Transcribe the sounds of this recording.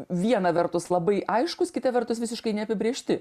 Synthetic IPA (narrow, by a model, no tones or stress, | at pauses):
ʋʲiɛnɐʋʲɛrt̪ʊslˠɐbɐɪʔɐɪʃkʊskʲɪt̪ɐʋʲɛrt̪ʊsʋʲɪsʲɪʃkɐɪnʲɛɐpʲɪbʲɾʲiːʃʲt̪ʲɪ